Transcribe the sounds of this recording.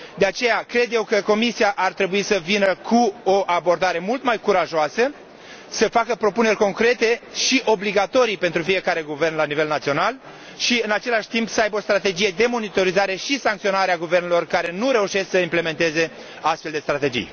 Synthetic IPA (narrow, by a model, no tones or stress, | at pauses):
d̪e̞at͡ʃe̞jakɾe̞d̪je̞wkəko̞misiaʔart̪ɾe̞buisəvinəkʰuoʔabo̞rd̪aɾe̞mult̪majkuɾaʒoasə | səfakəpɾo̞pune̞rʲko̞ŋkɾe̞t̪e̞ʃiʔo̞bliɡat̪o̞ɾijpe̞nt̪ɾufije̞kaɾe̞ɡuve̞rnlanive̞lnat̪sio̞nal | ʃiɨnat͡ʃe̞laʃt̪impsəajbəo̞st̪ɾat̪e̞d͡ʒije̞d̪e̞mo̞nit̪o̞ɾizaɾe̞ʃisaŋkt̪sio̞naɾeaɡuve̞rnelo̞rkaɾe̞nuɾe̞uʃe̞sksəimple̞me̞nt̪e̞ze̞ | ast̪feld̪e̞st̪ɾat̪e̞d͡ʒḭj